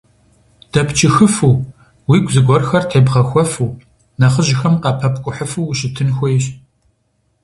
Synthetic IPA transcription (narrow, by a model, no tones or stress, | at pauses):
d̥ɐpt͡ʃʰʼɪxɨfuː | wiːɡʷzɨɡʷɔrxɐrtʰeːbʁɐxʷɔfuː | nɐχəʑɪxɐmqɑːpʰɐp̚ʰkʷʼʊħəfuːɕɪtʰɨnxʷɔjɕ